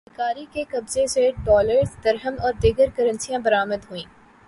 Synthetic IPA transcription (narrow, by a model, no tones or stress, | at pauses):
kaːɾikekɐbzẽseɖɔːləɾzd̪ɐɾɦəmɔːɾd̪iɡəɾkɐɾə̃nsijãbɐɾaːməd̪ɦuĩː